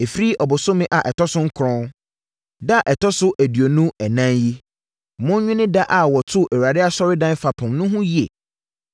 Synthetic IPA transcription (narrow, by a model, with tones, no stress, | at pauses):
e˨fɾi˦ʔɔ˨bʊ˨sʊ˦mɪ̃˦ʔa˨ʔɛ˨tʰɔ˦sʊ̃˦ŋ̩˦kʰʊ˨ɾɔ̃˦ | da˦˨ʔɛ˨tʰɔ˦sʊ˦ʔæ˨dɥo˨nũ˦ɛ˨nã˦nji˦˨ | mʊ̃˦n˦ɲᶣʊ̃˦nɪ̃˦da˦ʔa˨wɔ˨tʰʊ˦ʔɛ˨wu˨ɾa˨dɪ˦a˦sɔ˦ɾɪ˦dã˦fa˨pʰʊ̃˨mnʊ̃˦ɦʊ̃˦ji˦ḛ˨